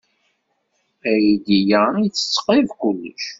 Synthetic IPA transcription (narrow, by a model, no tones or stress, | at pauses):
æjid̪ijait͡sːə̥t͡sːqivkʊlːə̰ʃ